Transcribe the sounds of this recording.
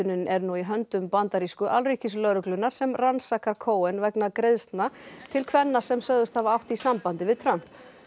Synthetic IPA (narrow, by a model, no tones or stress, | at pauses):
ʏnʏnɛɾnuiɦœnt̪ʏmpant̪aɾiskʏʔalriːhcɪslœɾʏklʏnːaɾ̥sɛmransakaɾkʰoːwɛnvɛknakɾeðst̪nat̪ʰɪlkʰvɛnːasɛmsœɣðʏst̪havaawht̪isampant̪ɪvɪðt̪ʰɾœm̥p